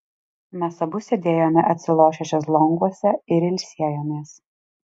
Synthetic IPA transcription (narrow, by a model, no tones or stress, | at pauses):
mʲɛsɐbʊsʲed̪ʲeːjoːmʲɛʔɐt̪ʲsʲɪlˠoːʃʲɛʃʲoslˠɔŋɡuɔsʲɛɪɾɪlʲsʲiɛjoːmʲeːs